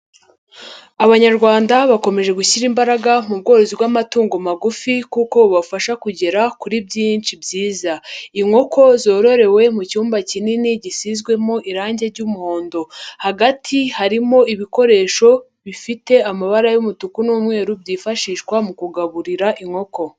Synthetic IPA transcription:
aβaɲaɾɡwaːndaβako̞me̞ʒe̞ɡuçiɾimbaɾaɡamub̚ɡo̞ːɾo̞zibɡwamatuːŋɡomaɡufikuko̞βafaʃakuɟe̞ɾakuɾibɟiːnt͡ʃibɟiːzaiŋo̞ko̞zoːɾo̞ɾe̞we̞mucuːmbacininiɟisizɡwe̞mo̞ʔiɾaːɲɟe̞ɾɟumuho̞ːndo̞haɡatʰihaɾimo̞iβiko̞ɾe̞ːʃo̞ | βifite̞amaβaɾajumutukunuːmŋe̞ːɾubɟiːfaʃiːʃkwamukuɡaβuɾiɾaʔiŋho̞ko̞

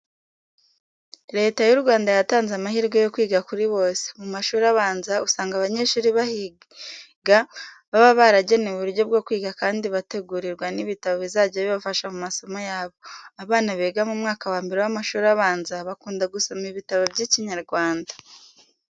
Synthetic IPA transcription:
ɾe̞ːtajuɾɡwaːndajataːnzamaɦiːɾɡo̞jo̞kwiːɡakuɾiβo̞ːse̥mumaʃuːɾaβaːnzausaːŋɡaβaɲe̞ːʃuːɾiβahi | ɡa | βaβaβaɾaɟe̞newβuɾɾɟo̞b̚ɡo̞kwiːɡakaːndiβate̞ɡuɾiɾɡwaniβitaβoβizaɟaβiβafaʃamumaso̞mojaːβo̞aβaːnaβeːɡamumŋaːkawaːmbeɾewamaʃuːɾaβaːnzaβakuːndaɡusomiβitaβobɟiciɲaɾɡwaːndḁ

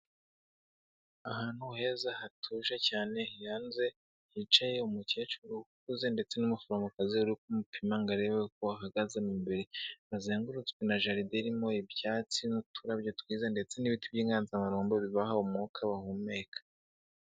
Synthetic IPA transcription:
aɦaːn̥huhe̞zahatʰuʃacaːne̞hijaːnze̞ | hit͡ʃaje̞umuce̞t͡ʃuɾukuze̞nde̞t͡se̞numufaɾamɡakaziuɾikumupʰimaŋɡaɾewek̚uaɦaɡazemimbeɾeβazeːŋɡuɾut͡skwenaʒaɾideɾimo̞ibjaːt͡sinutʰuɾabjot̪wiːzande̞t͡se̞niβitibjiːŋɡaːnzamaɾoːmboβiβaɦaumŋokʰaβahumekʰḁ

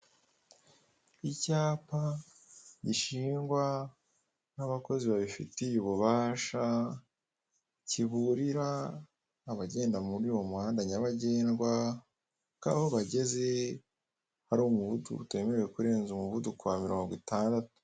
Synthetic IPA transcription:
icaːpa | ɟiʃiːŋɡwa | naβako̞ziβaβifḭtijuβuβaːʃa | ciβuɾiɾaː | βaɟe̞ːndamuɾiwo̞mwaːndaɲaβaɟe̞ːnɡwa | ka̰ːhoβaɟe̞ze̞ | haɾuːmuβutṵṵtwe̞meɾewekuɾe̞ːnzumuβudukuamiɾo̞ːŋɡwitaːndatu̥

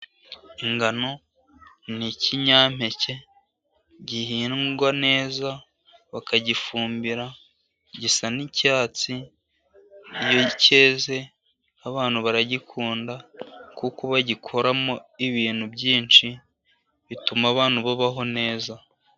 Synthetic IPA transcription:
iŋɡano̞ | niciɲaːm̥e̞ce̞ | ɟiɦiːnɡwane̞ːza | βakaɟifuːmbiɾa | ɟisanicaːt͡si | joce̞ːze̞ | aβaːn̥huβaɾaɟikʰuːndakukoβaɟikʰo̞ɾamo̞iβiːn̥hubɟiːnt͡ʃi | βitumaβaːnhuβaβaɦo̞ne̞ːza

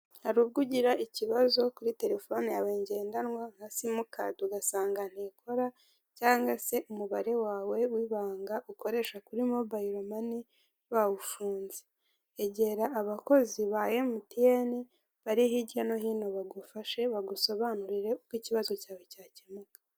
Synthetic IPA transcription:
haɾuːβ̚ɡuɟiɾaʔiciβazo̞kuɾite̞ɾe̞fo̞nijaweːɲɟe̞ːndanŋwaŋ̥hasimukʰa̰tuɡasaːŋɡan̥hiːkʰo̞ɾa | caːŋɡase̞ʔumuβaɾe̞waːwe̞wiβaːŋɡaʔuko̞ɾe̞ːʃakuɾimo̞baiɾomani | βawufuːnze | eɟe̞ɾaʔːβako̞ziβaːje̞mutieni | βaɾihiɟano̞hiːno̞βaɡufaʃe̞βaɡuso̞βaːnuɾiɾe̞ukwiːciβazo̞caːwe̞caːcemukḁ

